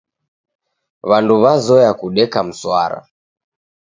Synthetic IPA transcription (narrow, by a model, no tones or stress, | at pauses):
βanduβazɔjakuɗɛkam̩swa̰ɾa̰